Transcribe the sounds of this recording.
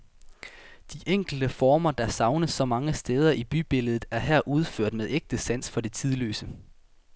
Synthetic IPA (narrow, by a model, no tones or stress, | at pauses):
d̥iʔeŋ̰ɡ̥l̩d̥əfɒːmɐd̥ɑ̈sɑ̈ʊnəsːɒ̽mɑ̈ŋəsd̥eːð̞ˠɐʔib̥yb̥e̝ləð̞̩ˠæɐɦæɐ̰ʔuð̞ˠføɐ̰d̥meðˠeɡ̥̚d̥əsæn̰sfɒ̽d̥e̝t͡sʰið̞ˠlø̰ːsə